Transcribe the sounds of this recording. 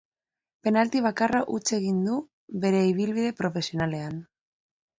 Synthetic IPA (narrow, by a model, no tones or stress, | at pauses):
pe̞nalt̪iβ̞akaraʔut͡se̞ɣ̞ind̪u | βe̞ɾe̞iβ̞ilβiðe̞pɾo̞fe̞sio̞nale̞an